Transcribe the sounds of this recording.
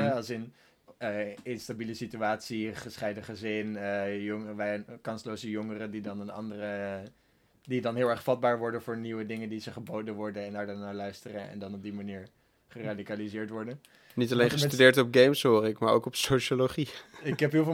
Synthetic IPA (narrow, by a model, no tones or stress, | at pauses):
ɦɛɑlˠsɪnː | ɪnstabiləsityaːtsiχəsχɛjdəχəzɪnəjɔŋʋɛkɑnslowzəjʊŋərədidɑnənɑ̰ndərə | didɑnɦɪːlˠɛɹχfɑd̚baːɹʋɔɹdənvʊːɹniwədɪŋəndizəχəbowdənʋɔɹdənɛndaːɹdɛɹnaːɹlœɥstərənɛ̰ndɑnɔb̚dimaniːɹ | χəraːdikalizɪːɹtʋɔɹdən | nitɑlejnχəstydɪːɹtɔp̚ɡejmsɦoːɾɪkmaːɹo̰wkɔpsowʃoloχiɪkɦɛpɦɪf